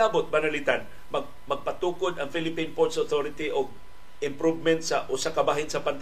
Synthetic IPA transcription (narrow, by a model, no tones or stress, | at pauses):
aːbʊt̪̚banalit̪an | ma | mɐɡ̚pat̪uːkʊd̪aŋfilɪpinpoɹt̪soθoɾɪt̪iʔoɡ̚ | ɪmpɾuvmɛnt̪saʔʊsakabaːɦɪnsɐpant̪